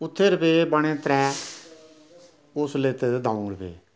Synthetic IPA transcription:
ʊt̪ʰːeːɾəpeːbəɽ̃ẽːt̪ɾɛː | ʊsleːt̪eːd̪ed̪aːũɾəbḛː

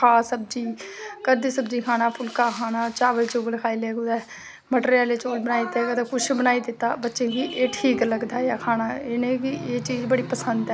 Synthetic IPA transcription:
kʰaːsəb̚d͡ʒiːkəɾd̪iːsəbd͡ʒiːkʰaːnaːpʰʊlkaːkʰaːnaːt͡ʃaːʋəlt͡ʃoːɡlkʰaːileːɡʊd̪ɛː | məʈɾaːleːt͡ʃoːlbənaːit̪eːɡət̪ekʊʃbənaːid̪ɪt̪ːaːbətːʃẽːɡiːʔeːʈʰiːkləɡd̪aːjaːkʰaːnaːeːnẽːkieːt͡ʃiːzbəɽiːpəsənd̪ɛː

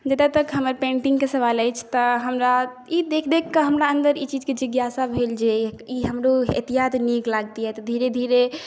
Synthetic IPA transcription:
d͡ʒət̪at̪əkɦəməɾpẽɳʈiŋɡkesəβaləjt͡ʃʰt̪ɔɦəmɾa | id̪ekʰd̪ekːəɦəmɾaənd̪əɾit͡ʃid͡ʒked͡ʒiɡjasabʱeld͡ʒeiɦəmɾoḛt̪ijat̪niklaɡ̚t̪iɦɛt̪d̪ʱiɾed̪ʱiɾe

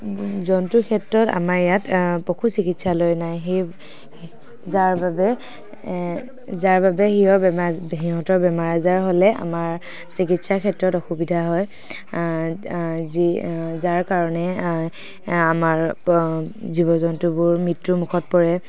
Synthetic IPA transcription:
zɔntʊkʰɛtɹɔta̰maɹjatpɔkʰusikitsalojnajɦe | zaɹbabɛ | zaɹbabɛxiɦɔɦiɦɔtɔɹbɛmaɹazaɹɦolɛa̰maɹ | sikitsakʰɛtɹɔtɔxubidʱaɦɔj | zizaɹkaɹɔnɛ | amaɹ | zibɔzɔntubʊɹmɹitɹumukʰɔt̚pɔɹɛ

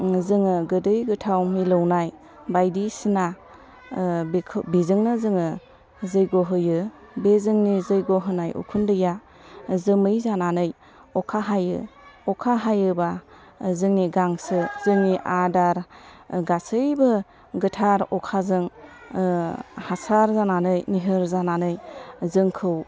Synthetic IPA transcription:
zɯŋɯɡɯdɯjɡɯtʰawmilɯwnaj | bajdisina | bkʰbizɯŋnɯzɯŋɯ | zɯjɡoɦɯjɯ | bezɯŋnizɯjɡoɦɯnajʔṵkʰundɯja | zɯmɯjzananɯj | ɔkʰaɦajɯ̰ɔkʰaɦajɯba | zɯŋniɡaŋsɯzɯŋniʔadaɾɡasɯjbɯ | ɡɯtʰaɾɔkʰazɯŋ | hasaɾzananɯjniɦɯɾzananɯjzɯŋkʰɯw

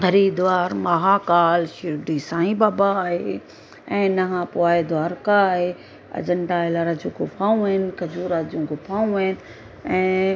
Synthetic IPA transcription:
ɡɐɾiːd̪ʋaːɾmaːɦakaːlʃɪɾɖisãːĩbaːbaːɦeː | ɛ̃ːnɐɦãpoaːɦed̪ʱʋaːɾkaɦeː | ɐ̰d͡ʑəɳɖaɪlaɾad͡ʑũːɡʊpʰaːũɦɐɦɪnkɐd͡ʑuːɾad͡ʑũːɡʊpʰaːũɐɪnɪ | ɛ̃ː

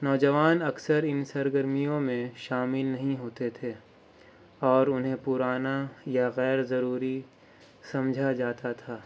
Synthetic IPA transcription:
nɔːd͡ʒɐʋaːnɐksəɾɪnsɐɾɡəɾmijõmẽʃaːmɪlnɐɦĩɦoːt̪et̪ʰe | ɔːɾʊnɦẽpʊɾaːnajaɣɛːɾzɐɾuːɾi | sɐ̃md͡ʒʱad͡ʒaːt̪at̪ʰaː

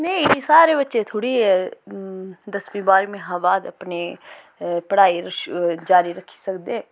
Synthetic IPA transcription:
nɐĩĩsaːɾebətːʃet̪ʰoːɽiɦɛː | d̪əsmĩbaːɾmẽɦãbaːd̪əpne | pəɽaːiɾəd͡ʒaːɾiɾəkʰːi̥səkd̪eː

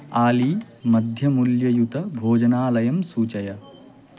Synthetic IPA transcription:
aːli | mɐd̪ʱjɐmuljɐjut̪ɐbʱoːd͡ʒɐnaːlɐjɐmsuːt͡ʃɐjɐ

